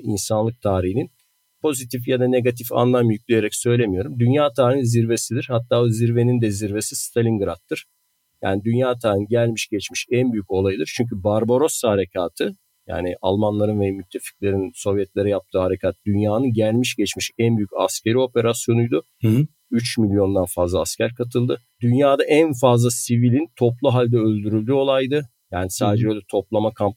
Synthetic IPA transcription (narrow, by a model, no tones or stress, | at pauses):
ḭnsanlˠɯk̚t̪ʰaːɾiɦinin | pʰo̞zit̪ʰifjad̪ane̞ɡat̪ʰifa̰nlˠamjyclʲeje̞ɾɛcsø̞jlʲemijo̞ɾumd̪ynjaːt̪ʰaːɾiːninziɾve̞sid̪iɾhat̪ʰːaːoziɾve̞nind̪ɛziɾve̞sist̪ʰalʲiŋɡɯɾat̪ʰːɯɾ̥ | ja̰ːnid̪ynjaːt̪ʰaːɾiniɟælʲmiʃɟɛt͡ʃmiʃɛnbyjyco̞lˠajɯd̪ɯɾt͡ʃʰyɲc̬ʰybaɾboɾo̞sahaɾe̞cʰaːt̪ʰɯ | ja̰ːnɪʔa̰lˠmanlˠaɾɯnvɛmyt̪ʰːe̞fi̥clʲe̞ɾinso̞vjɛt̪lʲe̞ɾɛjap̚t̪ʰɯːɦaɾe̞cʰat̪d̪ynjaːnɯnɟælʲmiʃɟɛt͡ʃmiʃɛnbyjyca̰scʰe̞ɾio̞pe̞ɾasjo̞nujd̪ʊ | yt͡ʃmilʲjo̞nd̪anfazlˠaːscʰæɾkʰat̪ʰɯlˠd̪ɯ | d̪ynjaːd̪aʔænfazlˠasivilʲint̪ʰo̞plˠuɦalʲd̪ɛølʲd̪yɾylʲd̪yːo̞lˠajd̪ɯ | jaːnisaːd̪ed͡ʒɛø̞jlʲɛt̪ʰo̞plˠamakʰamp